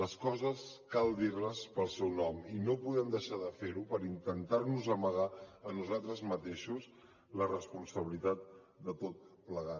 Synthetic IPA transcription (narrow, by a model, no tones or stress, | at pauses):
ləskɔzəskalˠd̪irləspəlˠsɛwnɔminopuðɛmd̪əʃaðəfeɾupəɾint̪ənt̪arnuzəməɣ̞aənuzalˠt̪ɾəzmət̪eʃus | lərəspunsəβilit̪at̪̚ | d̪ət̪ot̪̚pləɣat̪